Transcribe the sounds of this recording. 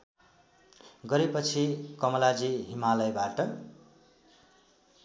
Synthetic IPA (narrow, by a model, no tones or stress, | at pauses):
ɡʌɾepʌt͡sʰikʌmʌlad͡ziɦimalʌjbaʈʌ